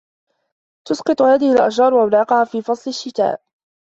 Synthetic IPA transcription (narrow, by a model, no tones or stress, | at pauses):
t̪ʊsqɑt̪ˤʊhaːðɪhɪlʔaʃɾɑːɾˤwaʔlɑːqɑhaːfiːfɑsˤlɪʃːɪt̪a̰ːʔ